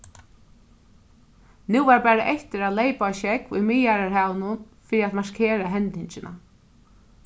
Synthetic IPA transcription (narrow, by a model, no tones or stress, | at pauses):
nuwvaɹpæːɾaʔɛht̪ɪɾad̪leːjpaʃɛkujmɪjaɾaɾhaːwnʊn | fiːɾiat̪maʂkʰeːɾaɦɛnt̪ɪɲt͡ʃɪna̰